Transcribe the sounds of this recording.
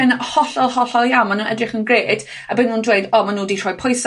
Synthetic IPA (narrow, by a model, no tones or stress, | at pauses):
ənhɔɬɔlˠhɔɬɔlˠjawmanənə̰drɪχənɡreːd̥ | abɪnuːndweɨdɔːmanuːditʰr̥ɔːjpʰɔjs